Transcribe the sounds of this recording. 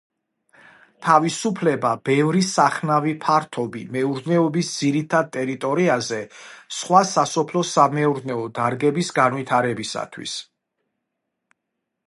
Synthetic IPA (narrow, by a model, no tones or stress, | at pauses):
t̪ʰavisupʰlɛbab̥ɛvɾisaχnavipʰaɾt̪ʰɔbimɛuɾd̪nɛɔbisd̪ziɾit̪ʰad̪̚t̪ʼɛɾit̪ʼɔɾiazɛsχwasasɔpʰlɔsamɛuɾnɛɔd̪aɾɡɛbisɡanvit̪ʰaɾɛbisa̰t̪ʰwḭs